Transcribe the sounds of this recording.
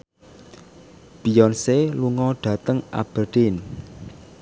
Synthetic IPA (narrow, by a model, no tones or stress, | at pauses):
b̥ijɔnseluŋɔɖ̥ä̤t̪əŋa̰b̥ərd̪̥ɪn